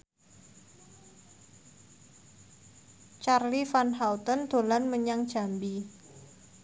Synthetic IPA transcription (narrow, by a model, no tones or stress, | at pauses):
t͡ʃarlifanɦawt̪ənd̪̥o̤lanməɲaŋd̥ʒ̥a̤mbi